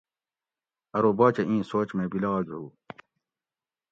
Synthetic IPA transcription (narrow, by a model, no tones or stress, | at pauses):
ɐɾoːbaːt͡ɕeʔĩːsoːt͡ɕmebilɐɣɑd͡ʑuː